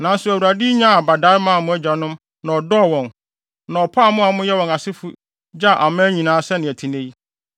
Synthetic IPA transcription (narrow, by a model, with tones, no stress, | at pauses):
nã˨˦n̩˦sʊ˨˦æ˨wu˨ɾa˨di˦ɲã˦a˨ba˨da˦mã˦˨mʊ̃˦æ˦d͡ʑa˨nʊ̃˦m | nã˨ɔ˨dɔ˦˨wɔ̃˨n | nã˨ɔ˨pʰa˦˨mʊ̃˦a˨mʊ̃˦jɛ˦wɔ̃˨na˨sɪ˦fu˦ | d͡ʑa˦˨ʔa˨mãː˦ɲĩ˨nãː˨˦sɛ˦nɪ̃˨tʰi˨nẽ˦ji˦